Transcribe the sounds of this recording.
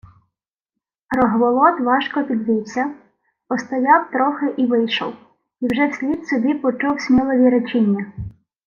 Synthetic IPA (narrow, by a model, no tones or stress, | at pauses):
rɔɦʋɔlˠɔt̪ʋɑʃkɔpʲid̪ʋʲiwsʲɐ | ɔst̪ɔjɑwt̪ɾɔxɪʔiʋɪjʃɔ̰w | iwʒɛwsʲlʲid̪sɔbʲipɔt͡ʃuwsʲmʲilˠɔʋʲiɾɔt͡ʃinʲːɐ